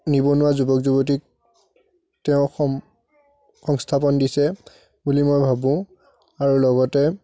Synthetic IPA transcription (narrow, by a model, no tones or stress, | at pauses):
nibɔnʊwazubɔkzubɔt̬ik̚ | tɛʊ̃x | xɔŋstʰapɔndisɛ | bulimɔjbʱabũ | aɹulɔɡɔtɛ